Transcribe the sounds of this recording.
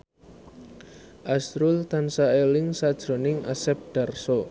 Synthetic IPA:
ʔasɾult̪ansaelɪŋsad̥ʒ̥ɾo̤nɪŋʔasɛp̚ɖ̥a̤rso

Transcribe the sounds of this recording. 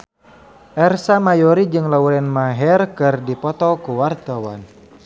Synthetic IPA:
ʔɛrsamajɔɾid͡ʒɨŋlaulɛnmaɦɛrkɨrdipɔt̪ɔkuwart̪awa̰n

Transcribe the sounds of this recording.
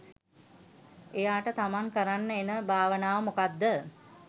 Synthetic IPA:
ejaːʈət̪amaŋkəɾanːəenəbʱaːʋənaːʋəmokad̪ːə

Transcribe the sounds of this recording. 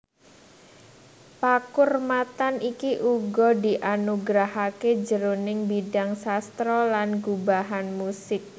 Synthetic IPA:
pakʊrmat̪anikiʔuɡɔdiʔanuɡɾaɦaked͡ʒəɾonɪŋbidaŋsast̪ɾɔlanɡubaɦanmusɪk̚

